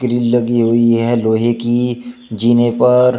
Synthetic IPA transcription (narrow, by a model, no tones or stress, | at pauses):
kɾiːllɐɡiɦʊiɦɛloːɦekid͡ʒiːnepɐɾ